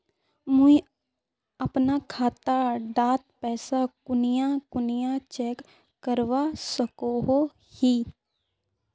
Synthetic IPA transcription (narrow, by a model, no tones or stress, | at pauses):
mʊi | ɐpnakʰaːt̪aɖaːt̪̚pɛːsakʊnɪjãkʊnɪjat͡ʃɛːkː | əɾʋasəkoɦo | hiː